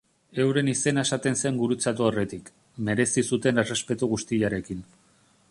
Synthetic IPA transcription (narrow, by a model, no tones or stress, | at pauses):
e̞wɾe̞nise̞nae̞sat̪e̞nse̞ŋɡuɾut͡sat̪uore̞t̪ik | me̞ɾe̞sisut̪e̞ne̞re̞spe̞t̪uɣ̞ust̪iʎaɾekin